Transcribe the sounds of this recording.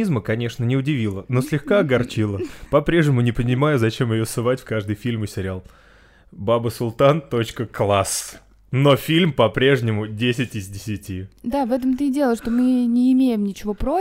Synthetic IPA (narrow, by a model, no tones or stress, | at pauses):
izməkɐnʲe̞ʂnənʲɪʊdʲɪvʲilˠəno̞sʲlʲɪxkaɐɡɐrt͡ɕilˠəpɐpɾʲe̞ʐnʲɪmʊnʲɪpənʲɪmajʊzɐt͡ɕe̞mjɪjosɨvatʲfʲkaʐd̪ɨjfʲilʲmɨsʲɪɾʲɪalˠ | babəsʊlˠt̪ant̪o̞t͡ɕkəklˠas | no̞fʲilʲmpɐpɾʲe̞ʐnʲɪmʊdʲesʲɪtʲɪzʲdʲɪsʲɪtʲid̪avɛt̪əmt̪ɨdʲe̞lˠəʂt̪omɨnʲɪːmʲejɪmnʲɪt͡ɕɪvo̞pɾo